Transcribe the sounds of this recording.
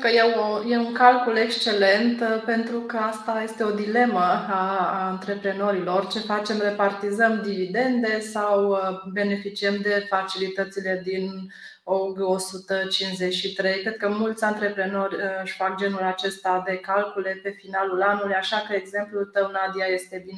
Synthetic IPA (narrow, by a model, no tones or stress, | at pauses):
kəjewoje̞uŋkalkule̞kst͡ʃe̞le̞nt̪pe̞nt̪ɾukəast̪aje̞st̪e̞o̞d̪ile̞məaɨnt̪ɾe̞pɾe̞no̞ɾilo̞rt͡ʃe̞fat͡ʃe̞mre̞part̪izəmd̪ivid̪e̞nd̪e̞sawbe̞ne̞fit͡ʃiəmd̪e̞fat͡ʃilit̪ət̪sile̞d̪in | oɡo̞sut̪ət͡ʃinzet͡ʃʃit̪ɾe̞jkɾe̞d̪̚kəmult̪sʲant̪ɾe̞pɾe̞no̞rʲʃʲfakd͡ʒe̞nulat͡ʃe̞st̪ad̪e̞kalkule̞pe̞finalulanulujaʃakəeɡze̞mplut̪əwnad̪iaje̞st̪e̞bine